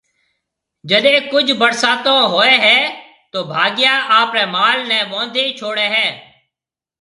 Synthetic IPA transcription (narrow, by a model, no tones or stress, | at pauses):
d͡ʒəɗẽːkʊd͡ʒʱbəɽsaːt̪õːɦoːeːɦɛː | t̪oːbʱaːɡɪjaːʔaːpɾɛːmaːlnɛ̃ːʋõːnd̪ʱeːit͡ʃʰoːɽeːɦɛ̃ː